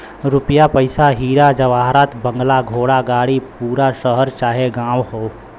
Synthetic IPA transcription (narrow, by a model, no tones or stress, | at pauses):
ɾʊpjapəɪsaɦiːɾad͡ʒɐʋaːɦɾaːt̪bə̃ŋɡlaɡʱoːɽaɡaːɽipuːɾaʃəɦəɾt͡ʃaːɦeɡãːʋhoː